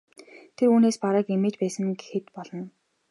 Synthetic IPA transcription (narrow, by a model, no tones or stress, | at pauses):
t̪ʰeɾuːneːspaɾə̆ːkemeːt͡ɕpæːsə̆ŋxet̪pɔɮɞ̆n